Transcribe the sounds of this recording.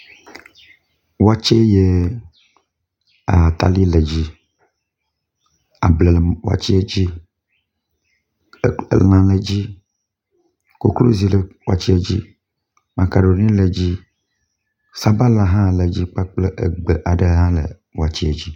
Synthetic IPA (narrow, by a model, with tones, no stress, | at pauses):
wa˦t͡ʃe˦je˦ | a˨t̪a̰˦li˦lə˨d͡ʑi˦ | a˨blə˨lwa̰˦˨t͡ɕi˦e˦d͡ʑi˦˨ | lã˨lə˨d͡ʑi˦ | ko˦klo˦zi˦lə˨wa̰˦t͡ɕi˦e˦d͡ʑi˦ | mã˨ka˨ɖo˨nĩ˦lə˨d͡ʑi˦ | sa˦ba˦la˨ɦã˦˨lə˨d͡ʑi˦k͡pa˦k͡ple˦ʔḛ˨ɡ͡be˨ʔa˨ɖə˦ɦã˦lə̰˨ | wa˨t͡ɕi˦e˨d͡ʑi˦